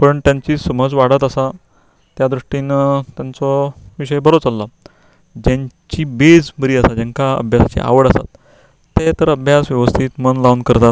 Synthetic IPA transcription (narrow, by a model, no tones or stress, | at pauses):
pəɳt̪jãɲt͡ɕisəməd͡zʋaɽət̪əsa | t̪jad̪ɾuʂʈinət̪jant͡sɔʋiɕəjbəɾot͡salːa | d͡ʑaɲt͡ɕiːbed͡zbəɾiːəsad͡ʑãŋkaə̰bʱjasat͡ɕḭa̰ʋəɽəsa̰t̪ː | et̪əɾəbʱjasʋjɛʋəst̪ʰiːt̪mənlaʋnkəɾt̪at̪